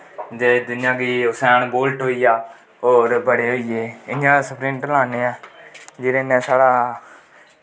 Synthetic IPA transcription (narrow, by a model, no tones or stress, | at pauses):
d͡ʒeːd̪ʊnɪjãːɡiːʊsɛːɳboːlʈɦoːiːaː | oːɾbəɽeːɦoːiːeːɪnãːasəpʰɾĩːnʈəlaːneːɛːd͡ʒɪːɾeːnɛ̃ːsaːɽaː